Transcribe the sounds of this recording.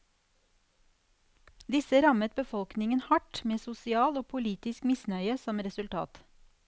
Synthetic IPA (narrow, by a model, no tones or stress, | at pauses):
d̪ɪsəɾɑmət̪̚bəfɔlknɪŋənhɑʈmeːsʊsɪɑːloːpʰʊliːt̪ɪskmɪsnœʏəsɔmɾɛsʉlt̪ʰɑ̰ːt̪